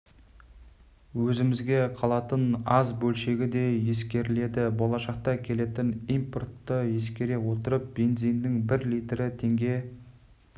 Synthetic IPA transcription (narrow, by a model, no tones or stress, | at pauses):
wɵzɪmɪzɡʲe̞qʰɑlˠɑt̪ənɑzbɵlʃe̞ɡʲɪd̪e̞je̞skʲe̞ɾɪle̞d̪ɪbo̞lˠɑʃɑq̚t̪ɑkʲʰe̞le̞t̪ɪnimpo̞rt̪ːəje̞skʲe̞ɾe̞wo̞t̪əɾəp̚b̥e̞nd̪zijnːɪŋbɪɾlijt̪ɾɪt̪ʰe̞ŋɡʲe̞